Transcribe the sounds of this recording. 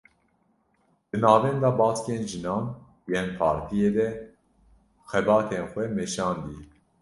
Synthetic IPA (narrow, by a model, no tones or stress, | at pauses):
d̪̥ɨnɑːvɛnd̪ɑːbɑːt͡skeːnʒɨnɑːn | jeːnpʰɑːɾt̪ʰijeːd̪ɛ | xɛbɑːt̪ʰeːnxʷɛmɛʃɑːnd̪i